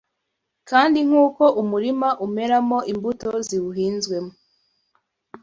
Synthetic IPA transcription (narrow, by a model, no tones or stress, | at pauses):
kaːndiŋ̥uːko̞ʔumuɾimaʔume̞ɾamo̞ʔimbuto̞ziwuɦiːnzɡwe̞mo